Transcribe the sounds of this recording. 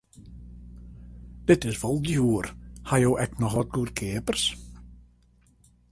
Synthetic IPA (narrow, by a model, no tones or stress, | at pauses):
d̥ɪtɪsʋɔlˠdjuːrhajowʔɛknɔxʋɔt̚ɡuːrkʰeːpərs